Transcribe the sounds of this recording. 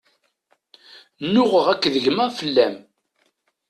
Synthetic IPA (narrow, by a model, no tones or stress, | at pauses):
nːʊʁəʁækːðəʝmæfəlːæm